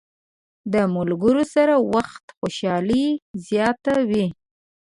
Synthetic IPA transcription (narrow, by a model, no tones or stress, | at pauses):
d̪əmʊlɡəɾosaɾawaxt̪xoʃɑlizjɑt̪awi